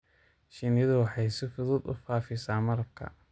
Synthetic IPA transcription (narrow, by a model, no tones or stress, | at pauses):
ʃinjɐðʊwɑħɑjsɪfʊðʊːd̪ʊ̰faːfɪsaːmɐrkʰɐ̰